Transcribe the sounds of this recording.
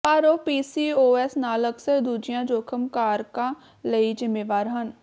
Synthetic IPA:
paːɾoːpiːsiːoːɛːsnaːləksəɾd̪uːd͡ʒɪjãːd͡ʒoːkʰəmkaːɾkãː | ləid͡ʒɪmeːʋaːɾɦən

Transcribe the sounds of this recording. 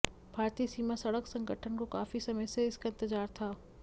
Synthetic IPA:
bʱaːɾt̪iːsiːmasɐɽəksɐ̃ŋɡəʈʰənkokaːfisɐməjseɪskaɪ̃nt̪ɪzaːɾt̪ʰaː

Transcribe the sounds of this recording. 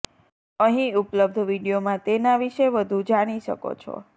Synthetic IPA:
əɦĩupləb̚d̪ʱʋiɽijomãt̪enaʋiʃeʋəd̪ʱud͡ʒaɽ̃iʃə̰ko̰t͡ʃʰɔ̰

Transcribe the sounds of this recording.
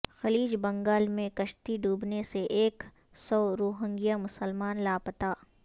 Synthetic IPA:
xɐliːd͡ʒbɐ̃ŋɡaːlmẽkɐʃt̪iɖuːbneseʔeːk | sɔːɾoːɦə̃ŋɡijamʊsəlmaːnlaːpət̪aː

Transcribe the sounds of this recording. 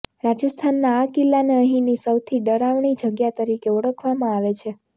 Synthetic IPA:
ɾad͡ʒəst̪ʰanːaːkilːaneəɦĩnisəwt̪ʰiɖəɾaʋɳid͡ʒəɡjat̪əɾikeuɽəkʰʋamãaʋet͡ʃʰe

